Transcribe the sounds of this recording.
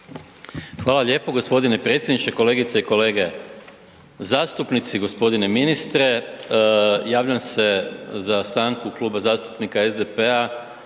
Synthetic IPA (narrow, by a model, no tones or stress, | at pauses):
xʋaːlˠaʎʲe̞ːpo̞ɡo̞spo̞d̪inepɾet̪sʲjed̪nit͡ʃeko̞le̞ːɡit̪seiko̞le̞ːɡe̞ | zaːst̪upnit̪siɡo̞spo̞d̪ine̞minist̪ɾe̞ | jaːʋʎamse̞zast̪aːŋkuklˠuːbazaːst̪u̥pnikaezd̪epea